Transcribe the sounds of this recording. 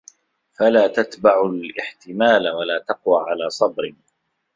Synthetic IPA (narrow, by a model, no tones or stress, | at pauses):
falaːt̪at̪baʕʊlʔɪħt̪ɪmaːlwalaːt̪ɑqwaːʕalaːsˤɑbɾɪ